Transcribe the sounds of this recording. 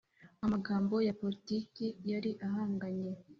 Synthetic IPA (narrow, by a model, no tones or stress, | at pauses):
amaɡaːmbo̞japo̞litikijaɾiʔaɦaːŋɡaɲe̞